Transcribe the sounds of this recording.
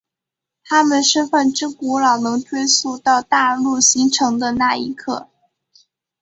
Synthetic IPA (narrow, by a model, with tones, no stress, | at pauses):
t̪ʰa˥mə˨nʂɻ̩˥˧fə˥˩nʈ͡ʂɻ̩˥ku˧˥lɑ˨˩ʊnɤ˧˥ŋt̪ʰwe˥ɪsu˥˧t̪ɑ˥˧ʊt̪a˥˧lu˥˩ɕi˧˥ŋʈ͡ʂʰɤ˧˥ŋd̪ə˧na˥˩ḭ˧˥kʰɤ˥˩